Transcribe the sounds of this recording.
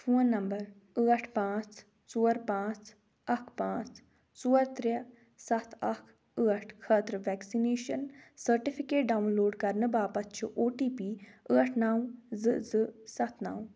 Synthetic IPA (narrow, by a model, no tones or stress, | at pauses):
fʰoːnːɐmbəɾ | əːəʈʰpãːt͡s | suːəɾpãːt͡s | ɐkʰpãːt͡s | suːəɾt̪ɾə | sɐt̪ʰɐkʰ | əəʈʰkʰət̪ɾəʋɛːksineːʃənsəɾʈɪpʰɪkeːʈ̚ɖaːunloːɖkɐɾnəbaːpɐt͡ʃʰuʔoːʈiːpiːəəʈʰnaːwzɨzəsɐt̪ʰnaːw